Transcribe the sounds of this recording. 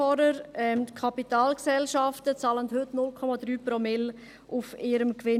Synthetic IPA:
ɔɾəɾɛmtkʰɑpitaːlksɛlʃɑftət͡sɑːlənthɵtnʊlkʰɔmɑdɾyːpɾomɪl | ufɪɾəmkʋɪ

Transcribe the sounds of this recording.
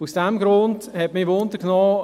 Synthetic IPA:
usd̥ɛmɡɾʊndhɛtmivond̪əknɔː

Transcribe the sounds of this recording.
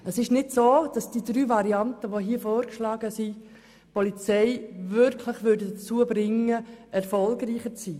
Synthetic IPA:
əsɪʃnɪdsoːd̥ɑsd̥iːdɾyːʋɑɾiɑntəʋoɦiːəfɔːɾkʃlɑːɡ̥əsi | pɔlit͡sɛɪʋʏɾkʰləχʋʏɾdədt͡suəbɾɪŋːəɛɾfɔlɡɾiːχət͡siː

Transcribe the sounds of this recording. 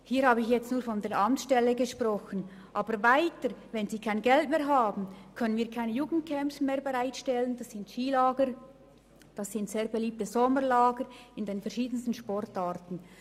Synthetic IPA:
hiːhaːbəɪçjɛt͡stnuːɐfɔndeːɾʔɑmt͡ssʃtɛləɡəʃprʁɔxən̩ | ʔɑːbəɾvaɪtəɾvɛnziːkʰaɪnɡɛltmeːɐʁɦaːbn̩kʰœnənviːɐkʰaɪnəjuːɡn̩t̚kʰɛmpsmeːɐɾbəʁaɪtʃtɛlənd̥ɑsːɪntʃiːlaːɡəɾ | d̥ɑsːɪntz̥eːɐbeliːp̚təzɔməlaːɡəɾɪndeːnfɛɐɾʃiːdən̩stən̩ʃpɔrtaːʁtn̩

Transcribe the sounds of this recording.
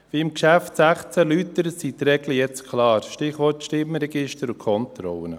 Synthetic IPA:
viɪmkʃæftsæχt͡sælyt̪əɾsit̪ɾɛɡləjɛt͡skʰlɑːɾʃtɪχʋɔrtʃtɪməɾɛɡɪʃtəɾʊkʰɔnt̪ɾɔ̰wən

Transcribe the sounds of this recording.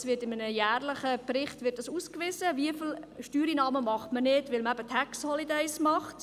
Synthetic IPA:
sʋɪtɪmənəjæːrləχəprɪχtvɪt̚d̥ɑsuːskʋɪsəviəfɪlʃtyːɾinɑːməmɑχtmənɪtvʋɪlməæbətʰɛksthɔlidɛɪsmɑχt

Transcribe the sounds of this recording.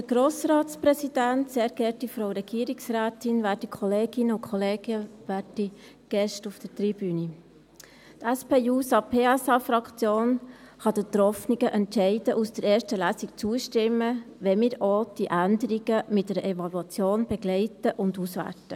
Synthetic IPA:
d̥əɾɡ̥ɾoːsɾɑːtsprɛsid̥ænt̪sɛːɾɡ̥ɛtifɾowɾɛɡ̥iəɾiksræːt̪ɪnʋæɾdikʰχɔleːɡ̥ɪnəʊkχɔleːɡ̥əʋæːɾd̥i | ɡ̥ɛʃtufd̥əɾt̪ɾib̥yni | tæspeːjuːsɑpʰeːæsɑfɾɑkt͡sjoːn | χɑd̥̪ət̪ɾɔfniɡəʔɛntʃɛɪdəʔusd̥əɾɛːɾʃtəlæːsikt͡suəʃtɪmːəʋɛmɪːɾod̪̥iʔænd̪əɾiɡəmɪt̚dɛɾəʔɛvɑluɑt͡sjoːnb̥ɛɡlɛɪtəʔʊndusʋæ̰ɾtə

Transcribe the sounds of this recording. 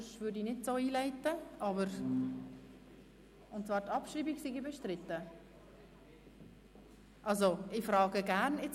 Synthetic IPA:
ʃvʏɾdinɪdsoːiːlaɪtːəʔɑbəɾ | ʊntt͡svɑːɾtɑpʃɾiːbiɡsiɡibɛʃtɾɪtːə | ʔɑlsoɪfɾɑːɡəɡæɾnɪt͡s

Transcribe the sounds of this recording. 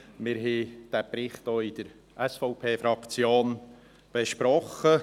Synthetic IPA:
mɪɾɦɛd̥æpɾɪχtoːɪd̥əɾ | ʔɛsfɔʊpʰeːfɾɑkt͡sjoːn | b̥eʃpɾɔχə

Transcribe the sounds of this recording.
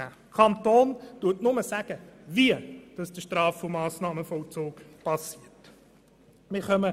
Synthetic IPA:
kʰɑnt̪oːntuətnʊməsæɡ̥əviəd̥ɑsd̥əʃtɾɑːfʊmɑːsnɑːməfɔlt͡soːkpʰɑsiəɾt | mɪχœmə

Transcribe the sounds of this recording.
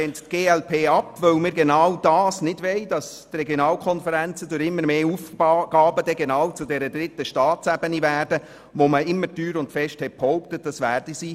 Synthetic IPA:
ɛnttɡ̥eːɛlpʰeːɑpʋœwmɪːɾɡenɑwd̥ɑːsnɪdʋɛɪd̥ɑs | trɛɡjonɑːlkʰɔnfəɾænt͡sədʊɾɪmːəɾmeːuːfɡ̥ɑːbədɛɡenɑːwt͡sʊdɛɾədɾɪtːəʃtɑːtsæb̥ənivæːrdə | ʋoməɪmːəɾtyːɾʊntfɛʃthɛt̚phɔʊptət̚d̥ɑsʋæːrd̥isi

